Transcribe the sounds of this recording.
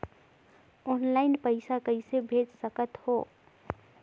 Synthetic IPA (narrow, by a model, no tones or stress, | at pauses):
oːnlaːɪnpəɪsakəisebʱeːd͡ʒsəkət̪hoː